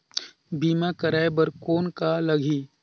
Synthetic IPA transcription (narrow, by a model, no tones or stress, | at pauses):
biːmakəɾaːjbəɾkoːnkalɐɡʱiː